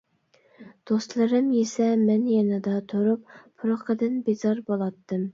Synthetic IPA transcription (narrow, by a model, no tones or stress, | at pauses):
d̪̥ost̪lˠɨɾɨmjesɛmɛnjɛnɨd̪ɑt̪ʰoɾup̚ʰː | ʊɾʊqʰəd̪ɨnbezɑɾbolˠɑt̪ʰːɨm